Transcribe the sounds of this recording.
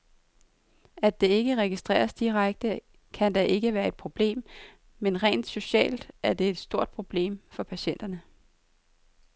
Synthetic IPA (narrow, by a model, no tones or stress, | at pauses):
æd̥e̝e̝ɡ̥əʁɛɡ̥isd̥ʁɛ̰ːɐsd̥iʁaɡ̥̚d̥ə | kʰænd̥ɑʔe̝ɡ̥əʋæːɐe̝d̥̚pʰʁo̝b̥le̝̰ːmː | enʁɛ̰ːnd̥so̝ɕɛ̰ːld̥æɐd̥e̝ed̥sd̥o̝ɐ̰d̥̚pʰʁo̝b̥le̝̰ːmfɒ̽pʰæɕen̰d̥ɐnə